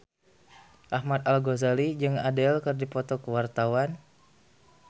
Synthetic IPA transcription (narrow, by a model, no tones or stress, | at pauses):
ʔahmat̪alɡozalid͡ʒɨŋadɛlkɨrdipɔt̪ɔkəwart̪awan